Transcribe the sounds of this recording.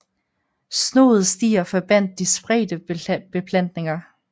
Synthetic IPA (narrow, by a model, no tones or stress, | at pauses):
sno̝̰ːð̩ˠsd̥ḭːɐfɒb̥æn̰d̥ːisb̥ʁɛ̰ːd̥əb̥e̝pʰlæn̰d̥ne̝ŋɐ